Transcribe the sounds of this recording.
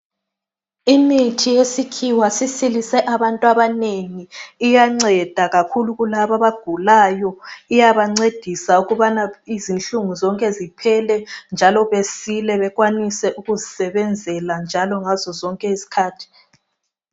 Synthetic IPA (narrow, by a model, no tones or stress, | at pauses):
imitʰijesikʰiwasisilisɛʔaβantʼwaβaneŋiːjaŋ͡ǀɛd̥ʱaɣakʰuluɣulaβaβaɡ̥ʱulajɔijaβaŋ͡ǀed̥ʱisauɣuβanaizinɬuŋuzɔŋkʼɛzipʰɛlɛnd͡ʒʱalɔβesilɛβɛɣwanisɛʔuɣuzisɛβɛnd͡zʱɛland͡ʒʱalɔŋazɔzɔŋkʼɛisi̥kʰaːtʰi̥